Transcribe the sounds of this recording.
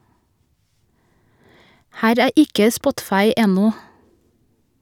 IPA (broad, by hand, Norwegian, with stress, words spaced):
ˈhæːɾ ˈæː ˈʔɪkə ˈspɔtfɑɪ ˈɛnɔ